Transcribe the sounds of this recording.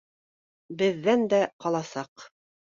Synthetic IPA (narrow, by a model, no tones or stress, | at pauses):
bɘ̆ðːænd̪æqɑlˠɑsɑq